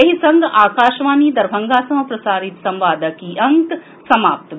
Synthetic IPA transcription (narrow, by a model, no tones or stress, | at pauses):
ɐɦisɐŋɡaːkaːʃʋaːniːd̪ɐɾbʱɐŋɡaːsɐmɐpɾɐsaːɾit̪sɐ̃mʋaːd̪ɐkiːʔɐŋk | sɐmaːp̚t̪